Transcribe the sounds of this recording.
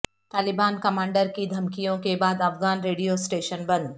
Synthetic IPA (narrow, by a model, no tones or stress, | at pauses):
t̪aːlɪbaːnkɐmaːɳɖəɾkid̪ʱɐmkijõkebaːd̪ɐfɣaːnɾeːɖijosʈeːʃənbɐ̃n